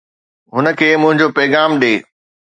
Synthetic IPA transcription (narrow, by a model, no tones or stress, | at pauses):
ɦʊnə̆kʰeːmʊ̃ɦɪ̃ɲd͡ʑopɐːɣaːmɗeː